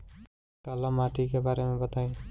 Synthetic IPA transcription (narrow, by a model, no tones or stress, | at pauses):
kalamaːʈikebaːɾemẽbət̪aːĩ